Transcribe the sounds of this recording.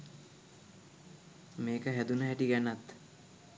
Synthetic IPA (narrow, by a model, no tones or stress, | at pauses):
meːkəɦæd̪unəɦæʈiɡænat̪